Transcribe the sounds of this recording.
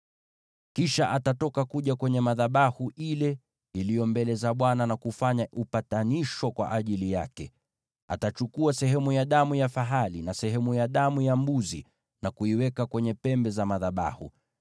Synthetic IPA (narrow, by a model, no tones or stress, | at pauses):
kiʃaʔatatɔkakuʄakwɛɲɛmaðaɓahuʔilɛ | ilijɔmbɛlɛzaɓwananakufaɲaʔupataniʃwɔkwa̰ʔaʄilijakɛ | a̰tat͡ʃukuasɛɦɛmujaɗamujafaɦalinasɛɦɛmujaɗamujambuzḭ | nakuiwɛkakwɛɲɛpɛmbɛzamaðaɓa̰hṵ